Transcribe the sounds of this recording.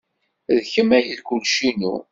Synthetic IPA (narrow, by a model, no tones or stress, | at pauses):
ðçəmæjəlkʊlʃinṵ